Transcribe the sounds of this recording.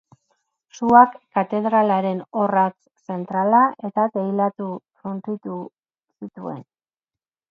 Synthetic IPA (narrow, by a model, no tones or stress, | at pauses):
suakːat̪e̞ðɾalaɾe̞no̞rat͡s | se̞nt̪ɾalaʔe̞t̪akejlat̪ufunt͡s̪it̪u | sit̪ue̞̰n